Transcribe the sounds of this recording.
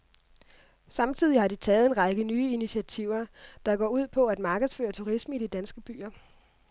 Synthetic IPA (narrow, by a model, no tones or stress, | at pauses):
sɑ̈mt͡sʰiðˠihɑ̈ɾit͡sʰɛːð̩ˠe̝nʁɑ̈ɡ̥ənyːəiniɕʰiæt͡sʰiʊ̰ɐd̥ɑ̈ɡ̥ɒ̰ːuð̞̰ˠpʰɒ̽æd̥mɑ̈ːɡ̥ðˠsfø̰ːɐt͡sʰuʁisməidid̥ænsɡ̥əb̥y̰ːɐ